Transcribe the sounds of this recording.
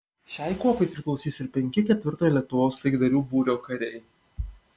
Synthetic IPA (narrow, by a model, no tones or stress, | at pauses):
ʃʲæˑɪkuɔpɐɪpʲɾʲɪklˠɔʊsʲiːsɪɾpʲɛŋʲkʲɪkʲɛt̪ʲʋʲɪɾt̪oːjɛlʲiɛt̪ʊʋoːst̪ɐɪɡd̪ɐɾʲuːbuːɾʲoːkɐɾʲɛɪ